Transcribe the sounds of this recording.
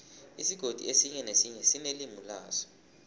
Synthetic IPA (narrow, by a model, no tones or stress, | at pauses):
isiɡ̥ʱod̥ʱḭesiɲɛnesiɲɛsinelimula̰ːzɔ̥